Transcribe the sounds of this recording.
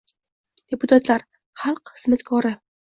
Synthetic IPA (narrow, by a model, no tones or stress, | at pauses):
d̪̥epʰʊt̪ʰat̪laɾ | χalˠqhɨz̥mat̪kʰɒɾɪ